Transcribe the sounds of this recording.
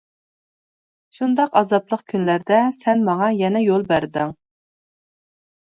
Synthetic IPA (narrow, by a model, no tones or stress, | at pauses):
ʃund̪ɑqɑzɑplˠəqkʲʰynlæɾd̪ɛsɛnmɑŋɑjɛnɛjolˠbæɾd̪ɪŋ